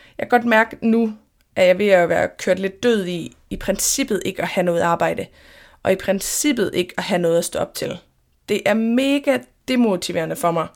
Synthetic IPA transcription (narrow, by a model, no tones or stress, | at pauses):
jɑɪkʰɡ̥ɒ̽d̥mæɐɡ̥nu | ʔæjɑ̈ɪʋe̝æʋæɐkʰøɐ̰d̥le̝d̥ːøð̞̰ˠi | ipʰʁɛnsib̥ð̞̩ˠʔe̝ɡ̥əɒhænɔ̽ːð̞̩ˠɑ̈ːb̥ɑ̈ɪ̰d̥ə | ʔɒ̽ipʰʁɛnsib̥ð̩ˠe̝ɡ̥əɒɦænɔ̽ːð̞̩ˠɒsd̥ɔ̽ɒ̽b̥̚t͡sʰe̝l | d̥e̝ʔæɐme̝ːɡ̥æd̥e̝mo̝t͡sʰiʋe̝ːɐnəfɒ̽mɑ̈ɪ